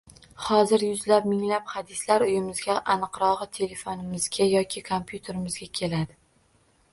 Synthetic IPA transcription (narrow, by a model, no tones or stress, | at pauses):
hɒzɪɾjʊzlap̚mɪŋlaphad̪ɪslaɾʊjɪmɪzɡʲaʔanɨqɾɒʁɨt̪ʰe̞le̞fonɪmɪzɡʲajɒkʲʰɪkʰompjut̪ʰe̞ɾɪmɪzɡʲakʲʰe̞lad̪ɪ